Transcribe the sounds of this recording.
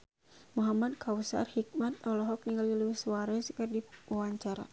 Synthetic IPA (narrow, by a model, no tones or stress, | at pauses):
muɦamad̚kʰausa̰rhik̚mat̪̚ɔlɔɦɔk̚niŋɡaliluwisuwaɾɛskɨrdiwwaɲt͡ʃaɾa̰